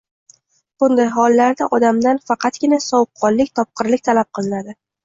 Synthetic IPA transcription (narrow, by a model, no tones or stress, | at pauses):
b̥ʊnd̪ajɦɒlːaɾd̪aʔɒd̪amd̪anfɑqʰɑt̪ɡʲɪnasɒwp̚qʰːɒlˠːɪkʲt̪ʰɒp̚qʰɨɾlɪkʲt̪ʰalap̚qʰɨlˠɪnad̪ɪ